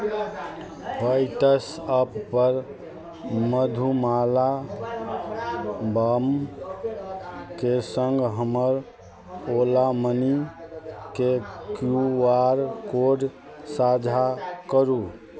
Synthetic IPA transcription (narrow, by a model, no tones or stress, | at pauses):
baɪʈəsəpːəɾ | məd̪ʱumala | bəm | kesə̃ŋɡʱɦəməɾ | olaməni | kekjuwaɾkoɖ | sad͡ʒʱakəɾu